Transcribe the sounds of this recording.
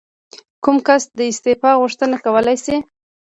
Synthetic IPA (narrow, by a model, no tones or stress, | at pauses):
kumkasd̪əɪst̪ɪfɑɣʊʂt̪ənakawəlajsi